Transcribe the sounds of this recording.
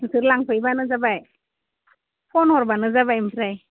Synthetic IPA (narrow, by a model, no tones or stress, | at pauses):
tʰɯɾlaŋpʰɯjbanɯzabaj | pʰɔnɔɾbanɯzabajmtʰɾaj